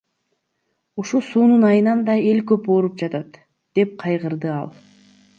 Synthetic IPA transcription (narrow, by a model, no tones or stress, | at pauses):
uʃusuːnunɑjɯnɑnd̪ɑe̞lkøpoːɾup̚d͡ʒɑt̪ɑt̪ | d̪̥e̞p̚qʰɑjʁɯɾd̪ɯɑ̰lˠ